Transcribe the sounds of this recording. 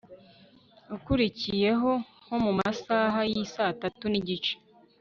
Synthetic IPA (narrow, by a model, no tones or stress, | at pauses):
ukuɾicije̞ɦo̞ | ho̞mumasaːɦajisatatuniɟit͡ʃe̥